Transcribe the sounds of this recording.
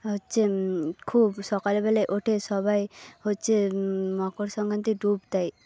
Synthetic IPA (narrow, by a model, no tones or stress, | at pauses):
ɦotːt͡ʃʰekʰubsɔkalbɛleʔoʈʰesɔbajɦoːt͡ʃʰemɔkoɾsɔŋɡʱant̪iɖubt̪aj